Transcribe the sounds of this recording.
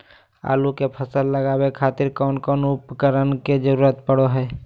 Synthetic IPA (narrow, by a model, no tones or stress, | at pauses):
a̰ːlukepʰəsəlːəɡaːwekʰaːt̪ɪɾkɔːnkɔːnʊpkəɾənked͡ʒəɾuːɾət̪pəɽoɦɛː